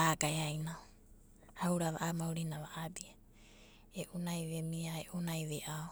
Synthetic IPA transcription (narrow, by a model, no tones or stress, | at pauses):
aɡaeajna | hawɾaβa̰ʔamawɾinaβaʔabia | eʔunajβemiaeʔunajβeʔao